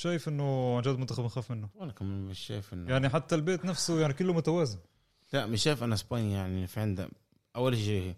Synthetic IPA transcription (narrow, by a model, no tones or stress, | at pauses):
ʃæːjɪfʔɪnːʊnʒæːd̪mʊnt̪æxæbnxæːfmɪnːʊalkamɪnmɪʃːæ̰ːjɪfʔɪnːjaʕniħat̪ːælbeːt̪næfsʊjaʕnikʊlːʊmʊt̪æwæːzɪn | lamɪʃːæːjfʔænæsbɑnijaʕnifiʕɪnd̪a̰ | ʔawːælʃiʃihi